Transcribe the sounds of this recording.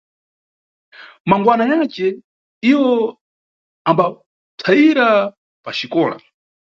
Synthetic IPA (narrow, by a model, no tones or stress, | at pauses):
maŋɡwanajat͡ʃɛ | iwɔ | amba | tʰaiɾa | pat͡ʃikɔːla̰